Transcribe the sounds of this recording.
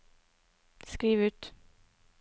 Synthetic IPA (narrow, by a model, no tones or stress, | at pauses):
skɾiːʋʉːt̪